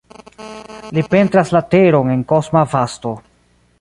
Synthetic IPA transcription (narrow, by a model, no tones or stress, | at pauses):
lipe̞ntɾaslate̞ɾo̞ne̞ŋko̞smavasto̞